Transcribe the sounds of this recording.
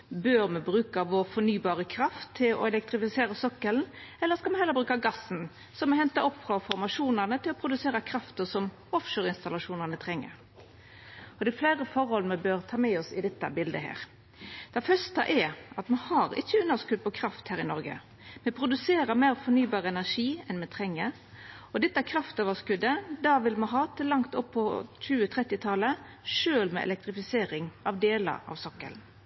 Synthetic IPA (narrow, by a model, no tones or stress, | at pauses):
bøːɾmɛbɾʉːkɑʋɔɾfɔnyːbɑːɾəkʰɾɑft̪ʰːɪlɔ̰ɛlɛk̚t̪ɾɪfɪseːɾəsɔkːəln̩ɛlːəɾskɑmɛhɛlːəbɾʉːkɑɡɑsn̩ | sɔmɛhɛnt̪ɑʔɔpːfʁɔfɔɾmɑʂuːnənət̪ʰɪlɔpʰɾʊd̪ʉseːɾəkʰɾɑft̪əsɔm | ɔfʃøːɾɪnst̪ɑlɑʂuːnɑnət̪ʰɾɛŋːə̰ɾ | ɔd̪ɛɛfleːɾəfɔɾhɔlmɛbøɾt̪ʰɑːmɛɔsɪd̪ɛt̪ːə̰bɪld̪əɦæ̰ːɾ | d̪̥ɛfœst̪ə̰ʔɛɑt̪mɛhɑɾɪ̰çːəʉnːəskʉd̪̚pʰɔkʰɾɑft̪hæːʁɾɪnɔɾɡə̰ | mɛpʰɾʊd̪ʉseːɾəɾmeːɾfɔnyːbɑːʁəɛnæʂiːɛnmɛt̪ʰʁɛŋːə | ɔd̪ɛt̪ːəækʰɾɑft̪øːʋəskʉd̪ːəd̪ɑːʋɪlmɛɦɑːt̪ʰɪlɑŋt̪ɔpʰːɔc͡çʉːət̪ʰʁɛt̪ːɪt̪ʰɑlə | ʂøːlmɛ̰ɛ̰lɛk̚t̪ɾɪfɪseːɾɪŋɑʋd̪eːlə̰ɾɑ̰ʋsɔkːə̰l